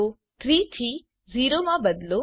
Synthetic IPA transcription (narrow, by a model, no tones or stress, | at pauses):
o | t̪ʰɾiːt̪ʰiː | ziːɾomãbɐd̪lo